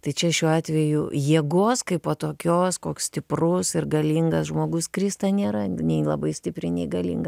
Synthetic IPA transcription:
t̪ɐɪt͡ʃʲɛʃʲuːɑːt̪ʲʋʲɛjʊjiɛɡoːskɐɪpoːt̪oːkʲoːskoːkssʲt̪ʲɪprʊsɪrɡɐlʲiːŋɡɐsʒmoːɡʊskɾʲiːst̪ɐnʲeːɾɐnʲɛɪlˠɐbɐɪsʲtʲɪpʲɾʲɪnʲɛɪɡɐlʲḭŋɡɐ

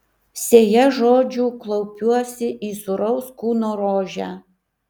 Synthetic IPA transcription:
sʲeːjɛʒoːd͡ʒʲuːklˠɔʊpʲuɔsʲɪʔiːsʊɾɔʊskuːnoːɾoːʒʲæː

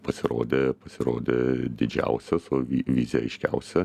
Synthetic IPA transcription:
pɐsʲɪɾo̰ːd̪ʲepɐsʲɪɾoːd̪ʲed̪ʲɪd͡ʒʲɛ̰ʊsʲɛsʊʋʲiʋʲiːzʲɛɐɪʃʲkʲɛ̰ʊsʲɛ

